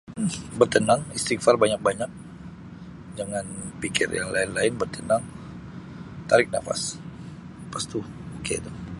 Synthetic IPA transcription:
m̩bərt̪ənaŋist̪ikfarbaɲak̚baɲak̚ | d͡ʒaŋanpikɪ̰rja̰ŋlaɪnlaɪnbərt̪ənaŋ | t̪aɾɪk̚na̰fa̰s | past̪u | okḛd̪o

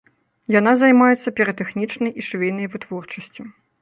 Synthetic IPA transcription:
janazajmajɛt̪sːɐpʲɛɾɐt̪ɛxnʲit͡ʂnɐjiʂvʲɛjʲnɐjvɨt̪vɔrt͡ʂɐsʲt͡sʲu

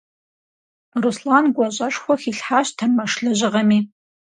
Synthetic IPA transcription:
ruslaːnɡʷɔɕʼɐʂxʷɔxiːɬħaːɕtʰɐmɐʂɬɨʑɪʁɐmiː

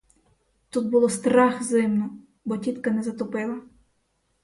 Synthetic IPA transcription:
t̪ut̪̚bʊlˠɔst̪ɾɑxzɪmnɔ | bɔtʲit̪kɐnɛzɐt̪ɔpɪlˠɐ

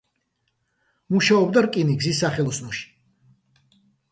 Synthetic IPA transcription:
muʃaɔbd̪aɾkʼiniɡzisːaχɛlˠɔsnɔʃi̥

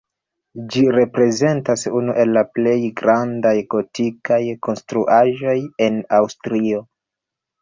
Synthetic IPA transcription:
d͡ʒiɾe̞pɾe̞ze̞ntasunuʔe̞lːaple̞jɡɾandajɡ̥o̞tʰikajkʰo̞nstɾuʔaʒo̞je̞nawstɾio̞

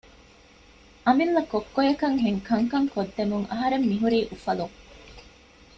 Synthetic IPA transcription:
ʔɐmilːɐkokːojɐkɐŋɦeŋkɐŋkɐŋkod̪ːemuŋʔɐɦɐɾemːiɦuɾiːʔufɐluŋ

